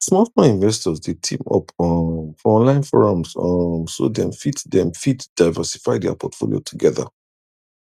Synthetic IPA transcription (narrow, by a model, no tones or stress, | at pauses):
smatfɔ̃nĩnvɛstɔzdetʰĩmɔ̰pʰɔmfɔɔ̃nlãɪ̃nfɔɹɔ̃mzʌmso̰dɛ̃mfitdɛ̃mfitd̥aɪvɜsi̥faɪdɛa̰pʰɔtfo̰lḭjo̰tʰuɡɛðə̰